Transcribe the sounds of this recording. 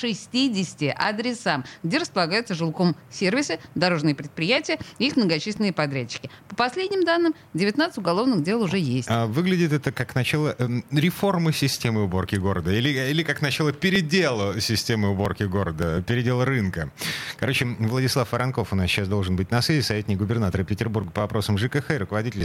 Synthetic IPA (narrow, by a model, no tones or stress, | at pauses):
ʂɨsʲtʲidʲɪsʲɪ̥tʲɪʔɐd̪ɾʲɪsamɡdʲe̞ɾəspəlˠɐɡajʊt̪səʐɨlˠko̞msʲervʲɪsɨd̪ɐɾo̞ʐnɨjəpɾʲɪt̪̚pɾʲɪjætʲɪjəɪixmnəɡɐt͡ɕis̬ʲlʲɪnɨjəpɐd̪ɾʲæt͡ɕːɪ̥kʲɪpəpɐsʲlʲedʲnʲɪmd̪anːɨm | dʲɪvʲɪt̪nat̪sɨ̥tʲʊɡɐlˠo̞vnɨxdʲe̞lˠʊʐɛjesʲtavɨɡlʲɪdʲɪt̪ɛt̪əkaknɐt͡ɕalˠəɾʲɪfo̞rmɨsʲɪsʲtʲemɨʊbo̞rkʲɪɡo̞ɾəd̪əilʲɪilʲɪkaknɐt͡ɕalˠəpʲɪɾʲɪdʲelˠʊsʲɪsʲtʲe̞mɨʊbo̞rkʲɪɡo̞ɾəd̪əpʲɪɾʲɪdʲelˠɾɨnkəkɐɾo̞t͡ɕɪvlˠədʲɪslˠafəɾɐnko̞fʊnasɕasd̪o̞lˠʐɨnbɨtʲnɐsʲezʲɪsɐvʲetʲnʲɪkɡʊbʲɪrnat̪əɾəpʲɪtʲɪrburɡəpəvɐpɾo̞səmʐɨkɛxɛɾʊkəvɐdʲitʲɪlʲ